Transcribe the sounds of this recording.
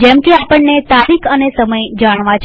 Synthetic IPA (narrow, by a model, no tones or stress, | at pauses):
d͡ʒɛmkeapəɳːet̪aɾikʰənesəməjd͡ʒaɽ̃ʋãt͡ʃʰ